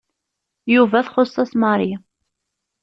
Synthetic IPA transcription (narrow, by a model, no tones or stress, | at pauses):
juvæθχosˤːɑsməɾˤi